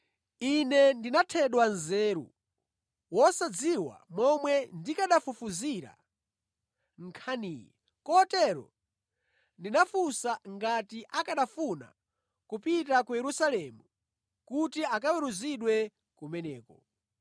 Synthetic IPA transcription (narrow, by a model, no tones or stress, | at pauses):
inɛndinatʰɛɗwanzɛːɾṵ | wɔsad͡ziwa̰mɔmwɛndikaɗafufuziɾa̰ | ŋ̩kʰanijɛ | kɔtɛɾɔ̰ | ndinafusaŋɡatiʔakaɗafuna̰ | kupitakujɛɾusalɛmu | kutiakawɛɾuziɗwɛ | kumɛnɛːkɔ